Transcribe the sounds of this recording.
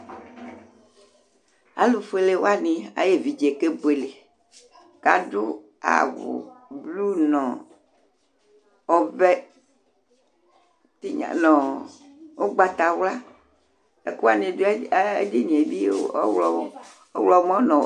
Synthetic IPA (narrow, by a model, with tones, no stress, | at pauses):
a̰˨lo˨fe˨le˨wo˦a˦nĩ˨a̰˨je˦˨vi˨d͡ʒe˨ke˦bo˨e˨le˨ | ka̰˨ɖu˦ | a̰˨wṵ˨blu˦nɔ̃˨ | ɔ˦bɛ˦ | t̪i˦ɲa̰˨nɔ̃˨ | wo˦ɡ͡ba˨t̪a˨wla˦ | e˦ku˦a˨nẽ˨dḛ˦di˦ɲĩ˨e˨bi˦o˦ɔ̰˦wlɔ˦wo˦ | wlɔ˨˦mɔ̃˦nɔ̃˨